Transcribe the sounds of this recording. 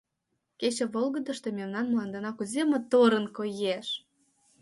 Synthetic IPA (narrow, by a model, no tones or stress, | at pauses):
ket͡ɕĕβolɣə̆d̪ə̆ʃt̪omʲemnɑnmlɑnd̪enɑkuzʲemɤ̆t̪oɾə̆nkojeʃ